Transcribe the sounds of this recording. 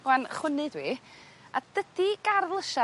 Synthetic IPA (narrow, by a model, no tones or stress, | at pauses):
wanχwənɨdwiː | a̰d̥əd̥iɡarvlˠəʃa